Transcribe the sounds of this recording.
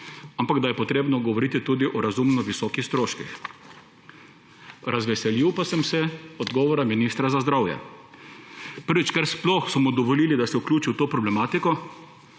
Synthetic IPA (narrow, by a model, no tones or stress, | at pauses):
ampaɡd̪ajɛpɔt̪ɾeːbnɔɡɔʋɔɾiːt̪it̪uːd̪iʔɔɾazumnɔʋisɔːkixst̪ɾoːʃkix | ɾazʋɛsɛliwpasɛmsɛɔd̪ɡɔːʋɔɾaminist̪ɾazazd̪ɾawjɛ̰ | pəɾʋit͡ʃkɛɾsplɔxsɔmɔd̪ɔʋɔliːlid̪asɛuklʲuːt͡ʃiwt̪oːpɾɔblɛmaːt̪ikɔ